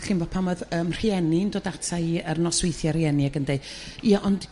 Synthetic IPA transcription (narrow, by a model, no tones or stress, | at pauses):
χɪnbɔpʰamɔðəːmr̥iɛnindoːdatʰaiərnɔswejθjarjɛniaɡəndejiaʔɔnd